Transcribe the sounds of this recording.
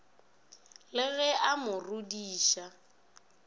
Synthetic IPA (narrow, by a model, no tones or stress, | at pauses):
lɪɣɛʔamʊrudiːʃa